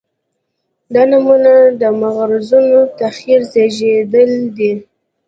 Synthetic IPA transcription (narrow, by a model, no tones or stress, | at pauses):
d̪ɑnamunad̪əmaɣɾzunot̪axiɾzeʒed̪əld̪i